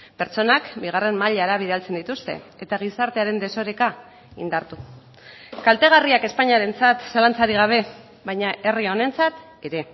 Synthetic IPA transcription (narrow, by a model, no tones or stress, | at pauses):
pe̞ɾt͡ʃo̞nakbiɣ̞are̞mmaʎaaɾaβ̞iðalt͡se̞nd̪it̪ust̪e̞̰e̞t̪aɣ̞isaɾt̪e̞aɾe̞nd̪e̞so̞ɾeka | ind̪aɾt̪u | kalt̪e̞ɣariake̞spaɲaɾe̞nt͡sat̪salant͡saɾiɣ̞aβ̞e̞ | βajɲaʔe̞rio̞ne̞nt͡sat̪ | e̞ɾe̞